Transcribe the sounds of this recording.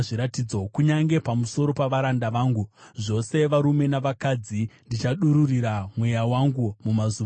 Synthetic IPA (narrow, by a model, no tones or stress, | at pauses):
ʐiɾatid͡zo̞kuɲaŋɡe̞pamuso̞ɾo̞paʋaɾandaʋaːŋɡuʐo̞se̞ʋaɾume̞naʋakad͡zindit͡ʃaɗuɾuriɾamwe̞jawaŋɡumumazu